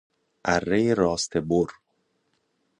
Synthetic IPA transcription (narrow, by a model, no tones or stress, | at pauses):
ʔærːejeɾɒːst̪ʰeboɾ